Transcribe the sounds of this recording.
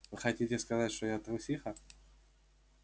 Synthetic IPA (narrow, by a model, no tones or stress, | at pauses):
vɨxɐtʲitʲɪskɐzatʲʂt̪ojat̪ɾʊsʲixə